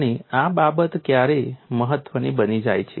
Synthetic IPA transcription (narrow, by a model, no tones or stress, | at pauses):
ñiababət̪kjaɾeməɦət̪ʋənibənid͡ʒa̰jt͡ʃʰe